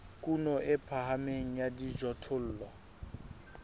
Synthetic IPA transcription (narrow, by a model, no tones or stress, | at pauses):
kʼunɔʔɪpʰaɦameŋ̩jadid͡ʒɔtʰʊl̩ːlɔ